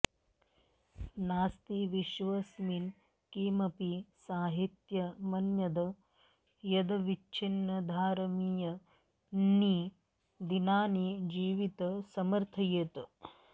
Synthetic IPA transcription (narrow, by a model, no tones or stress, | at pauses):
naːst̪iʋiʃʋɐsmin | kiːmɐpisaːɦit̪jɐmɐnjɐd̪ɐ | jɐd̪ɐʋit͡ʃːt͡ʃʰinːɐd̪ʱaːɾɐmijɐ | nːi | d̪inaːnid͡ʒiːʋit̪ɐsɐmɐɾt̪ʰɐjeːt̪ɐ